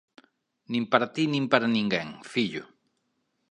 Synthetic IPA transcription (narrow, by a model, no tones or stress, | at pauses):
nĩmpaɾat̪inĩmpaɾanĩŋɡeŋfiʎʊ̰